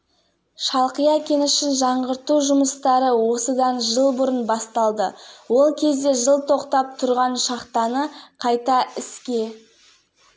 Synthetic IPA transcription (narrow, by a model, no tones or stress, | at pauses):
ʃɑlˠqijɑkʲʰe̞nɪʃɪnʒɑɴʁəɾt̪uʒʊməst̪ɑɾəwo̞səd̪ɑnʒəlˠbʊɾənbɑst̪ɑlˠd̪əwo̞lˠkʲʰe̞zd̪e̞ʒəlˠt̪ʰo̞qt̪ɑp̚t̪ʰʊɾʁɑnʃɑqt̪ɑnəqʰɑjt̪ɑɪskʲe̞